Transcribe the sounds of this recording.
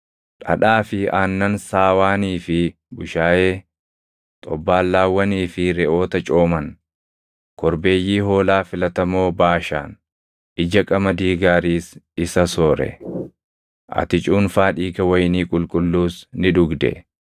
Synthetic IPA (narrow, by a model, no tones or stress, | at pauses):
ᶑɐ̰ᶑaːfɪaːnːɐnsaːwaːniːfɪ | bʊʃaːje̞ː | t̪ʼɔ̰bːaːlːaːwːɐniːfɪɾɛʔo̞ːt̪ɐt͡ʃʼo̞ːmɐn | kɔɾbe̞ːjːiːɦo̞ːlaːfɪlɐt̪ɐmo̞ːbaːʃa̰ːn | ʔɪd͡ʒɐkʼɐmɐd̪iːɡaːɾiːsɪsɐsoːɾɛ̰ | ʔɐ̰t̪ɪt͡ʃʼuːnfaːᶑiːɡɐwɐjniːkʼʊlkʼʊlːuːsnɪᶑʊɡd̪ɛ̰